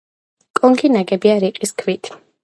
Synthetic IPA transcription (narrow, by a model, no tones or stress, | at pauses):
kʼɔŋɡinaɡɛbiaɾiqʼiskʰvit̪ʰ